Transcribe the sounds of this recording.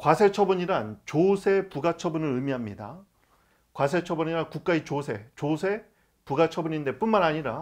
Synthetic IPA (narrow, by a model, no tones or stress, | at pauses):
kwasʰe̞t͡ɕʰʌbuɲiɾant͡ɕosʰe̞puɡat͡ɕʰʌbunɯɾɯmiɦamɲida̰ | kwas̬ʰe̞t͡ɕʰʌbuɲiɾankuk̚k͈ait͡ɕosʰe̞t͡ɕosʰe̞ | puɡat͡ɕʰʌbuɲinde̞p͈unmanaɲiɾa